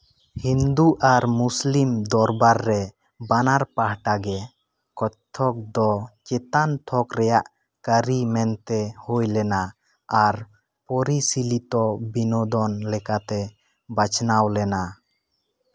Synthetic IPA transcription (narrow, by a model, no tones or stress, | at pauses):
hind̪uʔaɾmuslimd̪ɔɾbaɾːɛ | banaɾpaɦʈaɡɛ | kɔt͡ʃt̪ʰɔk̚d̪ɔt͡ʃɛt̪ant̪ʰɔkɾɛjaʔ | kəɾimɛnt̪ɛhujlɛna | aɾ | pɔɾisilit̪ɔbinɔd̪ɔnlɛkat̪ɛ | bat͡ʃʰnawlɛna